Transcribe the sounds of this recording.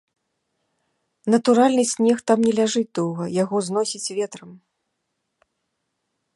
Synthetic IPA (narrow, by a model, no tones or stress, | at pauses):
nɐt̪uɾalʲnɨsʲnʲɛxt̪amnʲɛlʲaʐɨd̪ɔwɣɐjaɣɔznɔsʲit͡sʲvʲɛt̪ɾɐm